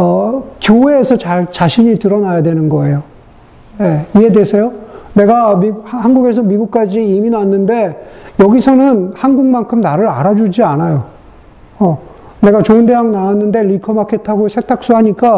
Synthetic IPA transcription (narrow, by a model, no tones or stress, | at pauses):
ʌkjoɦeːsʰʌt͡ɕaɭt͡ɕaɕʰiɲitɯɾʌnajadwe̞nɯnɡʌe̞jo | je̞ie̞desʰe̞jone̞ɡamihanɡuɡe̞sʰʌmiɡuk̚k͈ad͡ʑiiminanːɯnde̞jʌɡisʰʌnɯnhanɡuŋmankʰɯmnaɾɯɾa̰ɾad͡ʑud͡ʑianajo | ʌ | ne̞ɡat͡ɕoɯnde̞ɦaŋnawanːɯnde̞ɾikʰʌmakʰetʰaɡosʰe̞k̚t͈ʰak̚s͈uɦaɲik͈a